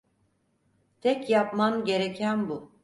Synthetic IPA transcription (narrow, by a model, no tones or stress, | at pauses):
t̪ʰɛcjapmamɟe̞ɾecʰænbu